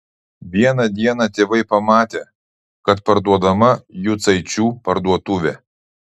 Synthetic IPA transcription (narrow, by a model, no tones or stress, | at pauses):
ʋʲiɛnɐd̪ʲiɛnɐt̪ʲeːʋɐɪpɐmɑːt̪ʲeː | kɐt̪pɐɾd̪uɔd̪ɐmɐjʊt̪sɐɪt͡ʃʲuːpɐɾd̪uɔt̪ʊʋʲɛ